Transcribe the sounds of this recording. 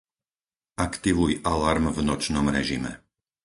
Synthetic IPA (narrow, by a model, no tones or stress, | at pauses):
akt̪iʋujʔalaɾmvnɔt͡ʃnɔmɾɛʒimɛ̰